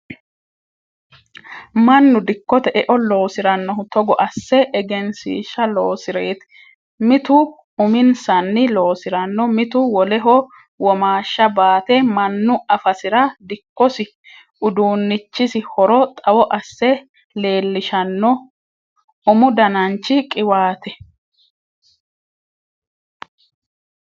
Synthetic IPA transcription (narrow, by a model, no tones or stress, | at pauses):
mɐnːʊd̪ɪkːɔt̪ɛʔɛʔɔlo̞ːsɪɾɐnːɔhʊt̪ɔɡɔʔɐsːɛʔɛɡɛnsḭːʃɐloːsɪɾeːt̪ɛ̥ | mɪt̪ʊ | ʊmɪnsɐnːɪloːsɪɾɐnːɔmɪt̪ʊwɔlɛɦɔ | wɔmaːʃːɐbaːt̪ɛmɐnːʊɐfɐsɪɾɐd̪ɪkːɔsɪ | ʊd̪uːnːɪt͡ʃːɪsɪhɔɾɔt̪ʼɐwɔʔɐsːɛ | le̞ːlːɪʃɐnːɔ | ʊmʊd̪ɐnɐnt͡ʃːɪkʼɪwaːt̪ɛ